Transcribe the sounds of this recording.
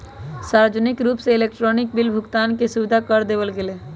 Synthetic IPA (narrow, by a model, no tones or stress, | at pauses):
saɾd͡ʒənikɾupseelek̚ʈɾɔnik̚bilbʱʊkt̪ankesuʋid̪ʱakəɾd̪ebəlɡele